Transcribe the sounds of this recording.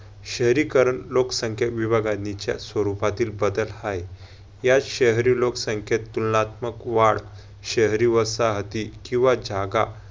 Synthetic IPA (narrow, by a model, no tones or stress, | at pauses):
ɕəɦɾikəɾəɳloksə̃ŋkʰeʋibʱaɡanit͡ɕa̰sʋəɾupat̪iːlbəd̪əlhaj | jaɕəɦɾiloksəŋkʰet̪ːulnat̪məkʋaɽ | ɕəɦɾiʋəsaɦət̪ikĩw̃ʋad͡ʑaɡa̰